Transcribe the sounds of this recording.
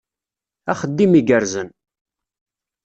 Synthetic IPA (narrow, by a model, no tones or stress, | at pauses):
æχəd̪ːimiɡəɾzən